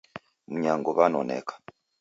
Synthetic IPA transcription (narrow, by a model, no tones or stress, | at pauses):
muɲaŋɡoβano̰nḛkḁ